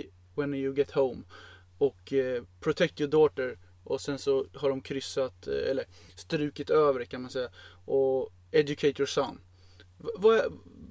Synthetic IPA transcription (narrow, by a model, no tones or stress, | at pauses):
wɛnjʊɡɛt̪hõʊm | ɔkpʰɾʊt̪ʰɛk̚t̪jɔɖoːt̪əɾ | ʔɔsɛnsɔhaɖɔmkʰɾʏsːat̪ɛ̰lːəɾst̪ɾʉ̟ːkət̪øːvəɾkʰanmansɛjːa | ʔɔ | ɛdʊkʰeɪt̪ʰjɔɾsan | vaæ